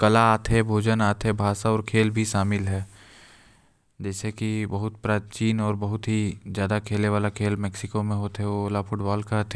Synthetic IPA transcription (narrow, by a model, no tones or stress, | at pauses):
kɐlaaːt̪ʰebʱoːd͡ʒənaːt̪ʰebʱaːsaɔːɾkʰeːlbʱiʃaːmɪlɦɛː | d͡ʒɛːsekibɐɦʊt̪̚pɾaːt͡ʃiːnɔːɾbɐɦʊt̪ɦizjaːd̪akʰeːleʋaːlakʰeːlmɛːksɪkomẽɦoːt̪ɦɛolafʰʊʈbaːlkat̪ʰe